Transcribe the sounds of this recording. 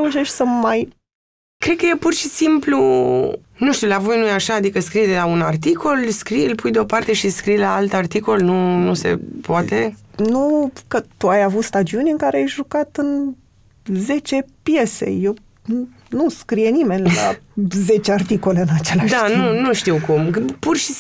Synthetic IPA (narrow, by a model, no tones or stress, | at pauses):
euʃe̞ʃt̪ʲsəmaj | kɾed̪̚kəjepurʃisimplu | nuʃt̪iulavojnujaʃaːd̪ikəskɾid̪elaunart̪ikʰo̞lskɾilpujd̪eo̞part̪e̞ʃiskɾijlaalt̪art̪iko̞lnunuse̞̰poat̪e̞nukət̪uajavut̪st̪ad͡ʒiunʲɨŋkaɾeajʒukat̪ɨn | ze̞t͡ʃe̞pje̞se̞̰je̞w | nuskɾijenime̞nʲla̰ze̞t͡ʃeart̪iko̞le̞ɨnat͡ʃe̞laʃd̪aanunuʃt̪iwkumpurʃi